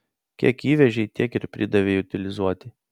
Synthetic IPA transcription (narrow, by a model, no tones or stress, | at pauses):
kʲiɛkiːʋʲɛʒʲeɪt̪ʲiɛkɪɾpʲɾʲɪd̪ɐʋʲeːʊt̪ʲɪlʲɪzuɔt̪ʲɪ